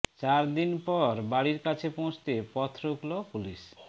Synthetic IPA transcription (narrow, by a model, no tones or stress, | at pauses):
t͡ɕaɾd̪inpɔɾbaɽiɾkat͡ɕʰepõw̃t͡ɕt̪epɔt̪ʰːɾoklopuliʃ